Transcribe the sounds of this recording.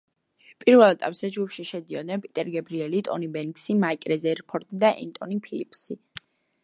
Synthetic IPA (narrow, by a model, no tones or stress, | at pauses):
pʼiɾvɛlˠɛt̪ʼapʼz̥ɛd͡ʒɡupʰʃiʃɛd̪iɔd̪nɛpʼit̪ʼɛɾɡɛbɾiɛlit̪ʼɔ̰nibɛŋksimaikʼɾɛzɛɾpʰɔɾt̪ʼid̪aʔɛ̰nt̪ʼɔnipʰilipʰʼsi